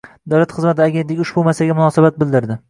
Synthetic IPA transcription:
d̪awlat̪χɨzmat̪ʰɪaɡʲe̞nt̪lʲɪkʲʊʃbumaslɡʲamʊnɒsabat̪̚bɪld̪ɪɾd̪ɪ

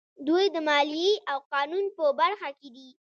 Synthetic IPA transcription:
d̪ujd̪əmɑlijeʔawqɑnunpəbaɾxaked̪i

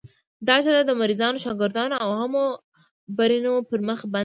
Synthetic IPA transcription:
d̪ɑt͡ʃad̪ad̪əmaɾizɑnoʃɑɡɪɾd̪ɑnoawhamo | baɾinopəɾməxba

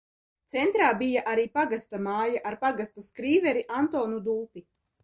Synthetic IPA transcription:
t̪sɛnt̪ɾaːbijaʔaɾiːpaɡast̪amaːjaʔaɾpaɡast̪askɾiːvɛɾiʔant̪oːnud̪uːpi

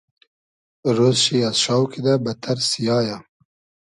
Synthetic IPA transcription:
ɾozʃiazʃɑːwkʰid̪abɐt̪ʰaɾsijɑːja

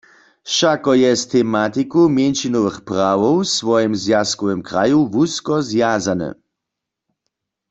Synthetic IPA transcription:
ʃakɔjɛst̪ʰɛmat̪ikumjɛnʃinɔʋəxpʁawɔwsvɔjɛmzjaskɔwɛmkʁajuvuskɔzjazanɛ̰

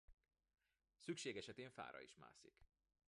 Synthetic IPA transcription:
sykʃeːɡɛʃɛt̪eːɱfa̰ːɾɒ̰iʃma̰ːsik

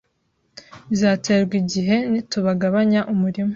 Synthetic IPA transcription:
zaːte̞ːɾɡwiɟiɦe̞nituβaɡaβaɲaʔumuɾimo

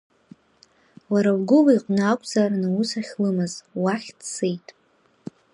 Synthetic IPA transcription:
waɾawɡʷʊlaiqʷʼnɨakʷʼzaranɨusaχʲlɨmɨzwaχʲdsejtʼ

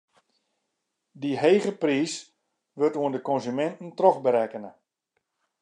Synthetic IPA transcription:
diɦeːɣəpriːs | ʋɵrtuəndəkɔnzymɛntn̩trɔχbəɾɛkənə

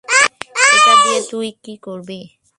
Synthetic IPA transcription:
ekadied̪ujkikoɾbe

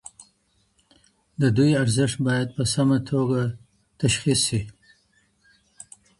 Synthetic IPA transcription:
d̪əd̪ujaɾzɪʂt̪bɑjad̪̚pəsamat̪ʰoɡa | t̪aʃxisːi

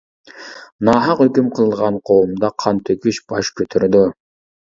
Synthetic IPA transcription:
nɑːɦɑqøkymqʰɯlˠʁɑɴqʰoːumd̪ɑqʰɑnt̪økyʃbɑʃkøt̪ʰøɾd̪y

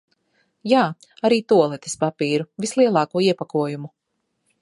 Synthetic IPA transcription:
jaː | aɾiːt̪uɔlˠɛt̪i̥spapiːɾuvislˠiɛlˠɑːkuɔiɛpakuɔjumu

